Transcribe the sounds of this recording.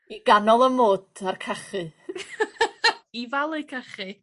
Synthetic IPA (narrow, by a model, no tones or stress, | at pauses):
iɡanɔlˠəmoːd̥arkʰaχɨ | ivalˠejkʰaχɨ